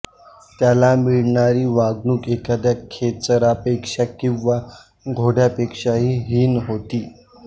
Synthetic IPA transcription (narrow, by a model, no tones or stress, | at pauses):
t̪jalamiɭɳaɾiːʋaɡnuːkekad̪jakʰet͡səɾapekʂakĩw̃ʋa | ɡʱoɽjapekʂaɦiːɦiːnɦot̪iː